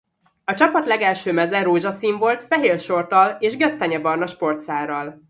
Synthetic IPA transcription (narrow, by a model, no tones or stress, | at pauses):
ɒt͡ʃɒpɒt̪lɛɡɛlʃøːmɛzɛɾoːʒɒsiːɱvo̞lt̪fɛɦeːrʃo̞rt̪ɒleːʒɡɛst̪ɛɲɛbɒrnɒʃpo̞rt̪saːrɒl